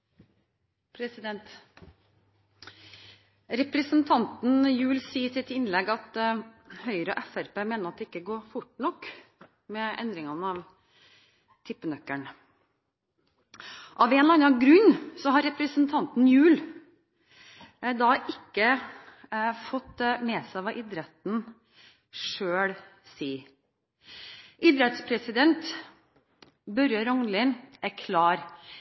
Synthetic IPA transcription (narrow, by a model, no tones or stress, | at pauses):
pʰɾɛsɪd̪ɛnt̪ | ɾɛpɾəsənt̪ʰɑnt̪n̩jʉːlsiːəsɪt̪ɪnlɛɡɑt̪ | hœʏɾəɔʔɛfæɾpeːmeːnəɾɑt̪̚d̪ɛːɪkːəɡoːɾfʊʈːɳɔkː | mɛʔɛ̰nd̪ɾɪŋɑnəɑʋ | t̪ʰɪpːənœkːəɳ | ʔɑʋɛnlɑnɑnɡɾʉɲːsɔɦɑɾɛpɾəsnt̪ʰɑnt̪n̩jʉːl | d̪ɑːʔɪkːə | fɔt̪mɛsæɪʋɑʔɪd̪ɾɛt̪n̩ | ʂøːɽ | siː | ʔɪd̪ɾɛt̪spʰɾɛsɪd̪ɛnt̪ | bœɾjəɾɔŋnlɪnʔæɾkʰlɑːɾ